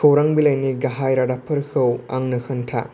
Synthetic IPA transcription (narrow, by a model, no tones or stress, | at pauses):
kʰɐwɾaŋbilɐjniɡaɦajɾadapʰɐɾkʰɯwa̰ŋnɯkɯntʰa̰